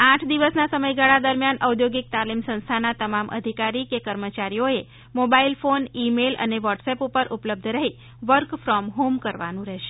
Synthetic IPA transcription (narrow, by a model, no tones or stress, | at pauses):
ãʈʰd̪iʋəsnasəməjɡaɭad̪əɾmjanʔəwd̪joɡik̚t̪alimsə̃nst̪ʰanat̪əmamʔə̰d̪ʱikaɾikekəɾmət͡ʃaɾijoe | mobailfonimelə̰neʋəʈsɛpupəɾʔupləb̚d̪ʱɾəɦi | ʋəɾkfɾɔmɦomkəɾʋa̰nũɾɛʃe̥